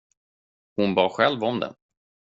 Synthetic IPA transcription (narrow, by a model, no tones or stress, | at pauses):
hʊnbɑːɧɛlvɔmd̪ɛ̰n